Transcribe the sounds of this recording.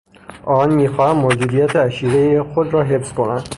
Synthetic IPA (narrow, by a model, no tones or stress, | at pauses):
ʔɒːnmiːxɒːhæmmːod͡ʒ̪uːd̪ijæt̪ʰeæʃiːɾejexod̪ɾɒːɦe̞fsko̞nænd̪